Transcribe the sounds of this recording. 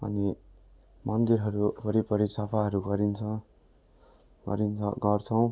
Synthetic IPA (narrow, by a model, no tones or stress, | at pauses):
ʌ̰ni | mʌnd̪iɾɦʌɾupʌɾipʌɾisʌpʰaɦʌɾuɡʌɾint͡sʰʌ | ɡʌ̰ɾint͡sʰʌɡʌrt͡sʰʌw̃